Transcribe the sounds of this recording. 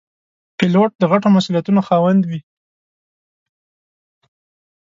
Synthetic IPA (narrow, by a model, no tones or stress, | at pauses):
pɪloʈ̚d̪əɣaʈomasulijat̪unoxɑwand̪wi